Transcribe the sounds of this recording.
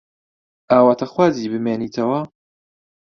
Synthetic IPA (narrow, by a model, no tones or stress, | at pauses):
ʔaːwaːt̪ʰɐxwaːziːbɨmeːniːt̪ʰɐwɐ